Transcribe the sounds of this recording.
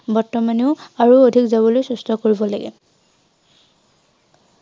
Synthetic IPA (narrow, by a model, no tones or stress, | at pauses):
bɔɹtɔmaniʊaɹuodʱikzabɔlojsustʰɔkoɹibɔlaɡɛ̰